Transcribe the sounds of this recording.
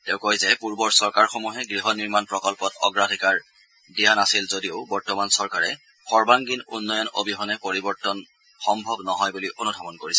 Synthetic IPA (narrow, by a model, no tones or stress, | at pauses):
tɛʊ̃kojzɛpuɹbɔɹsɔɹkaɹxɔmuɦɛɡɹiɦɔniɹmanpɹɔkɔlpɔtɔ̰ɡɹadʱikaɹ | dijanasilzodijoʊbɔɹtɔmansɔɹkaɹɛ̰ | xɔɹbaŋɡinṵnːɔjɔno̰bʱiɦɔnɛpoɹibɔɹtɔn | xɔmbʱɔbnɔɦɔjbuliʔonudʱabɔnkoɹisɛ̥